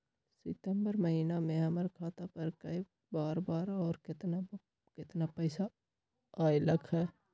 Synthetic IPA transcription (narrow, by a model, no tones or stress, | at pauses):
sɪt̪əmbəɾməɦiːnamẽɦɐməɾkʰaːt̪apəɾkəi | baːɾbaːɾɔːɾkɪt̪n | kɪt̪napɛːsa | aːiləkʰɦɛː